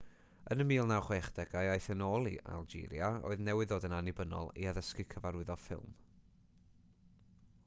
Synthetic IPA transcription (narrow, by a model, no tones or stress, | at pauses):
ənəmiːlˠnawχwɛχd̥ɛɡajajθənoːlˠḭʔa̰lˠd͡ʒḭːlˠjao̰ːɨðnɛwɪðoːdənanɪbənɔ̰lˠḭaðəskɪkʰəvaɾɪðɔfɪ̰lˠm